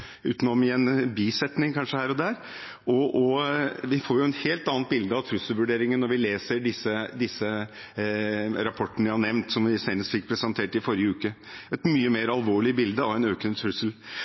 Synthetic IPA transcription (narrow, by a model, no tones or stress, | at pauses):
ʉ̰ːt̪nɔmɪɛnbiːsɛt̪nɪŋkʰɑnʂəhæːɾɔd̪æːɾ | ʔɔʔɔʋɪfoːɾjʊɛt̪heːlt̪ɑːn̚bɪld̪əɑʋt̪ʰɾʉsəlʋʉɖeːɾɪŋənːɔɾʋɪleːsəɾɖɪsːəd̪ɪsə | ɾɑpʰɔʈːnəʋɪhɑɳɛʋnt̪sɔmʋɪsænəst̪fɪkːpʰɾɛsɛnt̪ʰeːʈɪfɔɾjəʉːkəɛt̪myːəmeːɾɑlʋoːɭɪəbɪld̪əɑʋɛɪnøːkənət̪ʰɾʉsəl